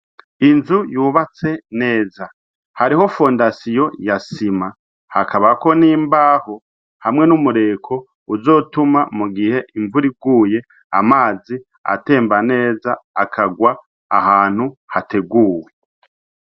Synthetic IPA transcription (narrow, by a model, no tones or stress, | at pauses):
inzujuːβat͡se̞ne̞ːza | haɾiho̞fo̞ndasijo̞jasima | hakʰaβako̞niːmbaːho̞ | hamŋe̞numuɾe̞ːkʰo̞ | uzo̞ːtumamuɡihe̞ʔiɱvuɾiɡuːje̞ | a̰maːzi | a̰te̞ːmbane̞ːzaakʰaɡwa̰ː | haːn̥huhatʰe̞ɡuːwe